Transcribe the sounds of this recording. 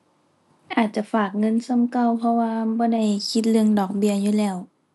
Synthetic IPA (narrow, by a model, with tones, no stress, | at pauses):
ʔaː˨˩t̪̚t͡ɕa˧˩faː˨˩k̚ŋɤ˧˥˨nsa˧˥˨mka˧˨wpʰɔ˧waː˧bɔː˧˦da˧˩jkʰi˧˦t̪̚lɯ˧əŋdɔː˨˩k̚bi˧˩əjuː˧˨lɛː˧˩w